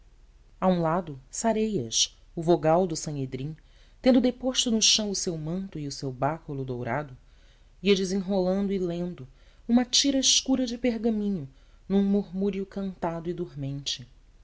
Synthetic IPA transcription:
aũlad̪ʊsaɾejɐ̰ʃ | ʊvoɡawd̪ʊsɐ̃ed̪ɾĩ | t̪ẽnd̪ʊd̪epoʃt̪ʊnʊʃɐ̃w̃ʊsewmɐ̃nt̪ʊiʊsewbakʊlʊd̪owɾad̪ʊ | iɐd͡ʒɪzẽŋɦolɐ̃nd̪ʊilẽnd̪ʊ | ũmɐt͡ʃiɾɐɪʃkuɾɐd͡ʒɪpeɾɡɐmĩɲʊ | nũŋmuɾmuɾiʊkɐ̃nt̪ad̪ʊɪd̪uɾmẽnt͡ʃɪ

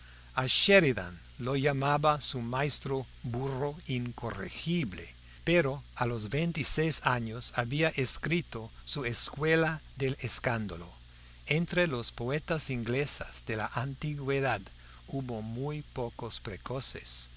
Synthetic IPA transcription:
aʃeɾiða̰n | loʝamaβasumajst̪ɾo | buroiŋkorḛxiβlḛ | peɾoalozβejnt̪isejsaɲosaβiaʔeskɾit̪osueskwelaðeleskand̪alo | ent̪ɾelospoet̪asiŋɡlesaz̥d̪ela̰ʔant̪iɣweðad̪ | uβomujpokospɾekosḛs

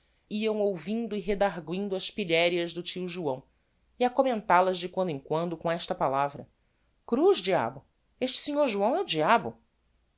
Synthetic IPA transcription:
iɐ̃w̃owvĩnd̪ʊiɦed̪aɾɡwĩnd̪ʊɐʃpiʎɛɾiɐzd̪ʊt͡ʃiwʒuɐ̃w̃ | iakomẽnt̪alɐzd͡ʒɪkwɐ̃nd̪ʊĩkwɐ̃nd̪ʊkõɛʃt̪ɐpalavɾɐ̰ | kɾuzd͡ʒia̰bʊ | eʃt͡ʃɪ̥siɲoɾʒuɐ̃w̃ɛʊd͡ʒiabʊ

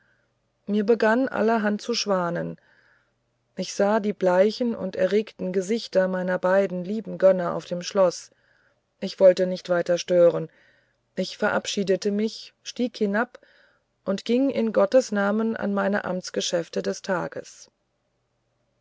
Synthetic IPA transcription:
miːɐbəɡanʔa̰lɐɦant̚t͡suʃv̥aːnən | ʔɪçz̥aːdiːblaɪçn̩ʊ̰ntɛ̰ɐʁeːktn̩ɡəzɪçtɐmaɪnɐbaɪdn̩liːbm̩ɡœnɐʔa̰ʊfd̥eːmʃlɔs | ʔɪçv̥ɔltənɪçtv̥aɪtɐʃtøːʁ̞ən | ʔɪçfɛɐʔapʃiːdətəmɪçʃtiːkhɪnap | ʔʊntɡ̥ɪŋɪ̰nɡɔtəsnaːməna̰nmaɪnə̰ʔa̰mt͡sɡ̥əʃɛftədɛstʰa̰ːɡ̥ə̰s

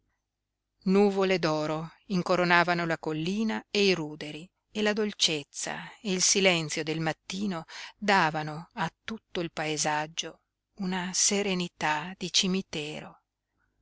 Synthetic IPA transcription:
nuːvoled̪ɔːɾoiŋkoɾonaːvanolakolːiːnaeiɾuːd̪eɾi | elad̪olt͡ʃet̪sːa̰eilsilɛnt̪sjod̪elmat̪ːiːnod̪aːvanoat̪ːut̪ːoilpaezad͡ʒːo | unaseɾenit̪ad̪̥it͡ʃimit̪ɛːɾo

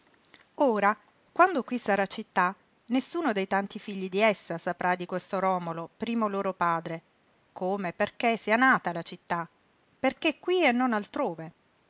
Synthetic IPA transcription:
oːɾa | kwand̪okwisaɾat͡ʃit̪ːa | nesːuːnod̪ejt̪ant̪ifiʎːid̪iɛsːasapɾʔad̪ikwest̪oɾɔːmolopɾiːmoloːɾopaːd̪ɾe | koːmeperkesːianaːt̪alat͡ʃit̪ːa | perkekːwienːonalt̪ɾoːve

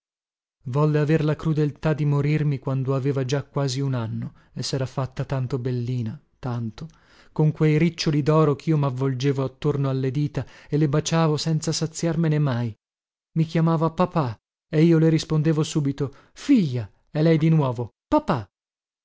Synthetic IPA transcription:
vɔlːeaverlakɾud̪elt̪ad̪imoɾirmikwand̪oaveːvad͡ʒakːwaːziunanːo | esːɛːɾafat̪ːat̪ant̪obelːiːna | t̪ant̪o | koŋkwejɾit͡ʃːolid̪ɔːɾokiːomavːold͡ʒeːvoat̪ːornoalːed̪iːt̪aelːebat͡ʃaːvosɛnt̪sasat̪sːjarmenemaj | mikjamaːvapapa | eiːoleɾispond̪eːvosuːbit̪o | fiʎːa | ɛlɛjd̪inwɔːvo | papa

